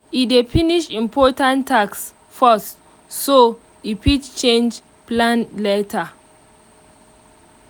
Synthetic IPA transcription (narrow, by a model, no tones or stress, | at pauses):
idefiniʃĩmpʰɔtãntʰːaks | fɔstː | o | ipitt͡ʃẽnd͡ʒ | plãnletʰa